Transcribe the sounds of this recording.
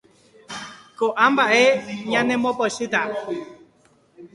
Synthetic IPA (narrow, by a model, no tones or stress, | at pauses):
koʔambaʔeɲãnɛmɔpɔsit̪a